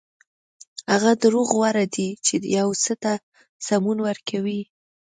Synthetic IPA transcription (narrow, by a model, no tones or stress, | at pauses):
haɣad̪əɾoɣwaɾad̪it͡ʃejawsət̪a | samunwəɾkʰawi